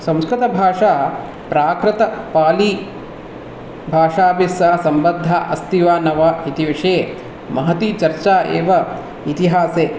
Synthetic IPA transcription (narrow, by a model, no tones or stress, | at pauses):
sɐ̃m̃skɾɪt̪ɐbʱaːʂaː | pɾaːkɾɪt̪ɐpaːli | bʱaːʂaːbisɐsɐmbɐd̪ʱːaʔɐst̪iʋaːnɐʋaːit̪iʋiʂeː | mɐɦɐt̪it͡ʃɐɾt͡ʃaːʔḛːʋɐ | it̪iɦaːseː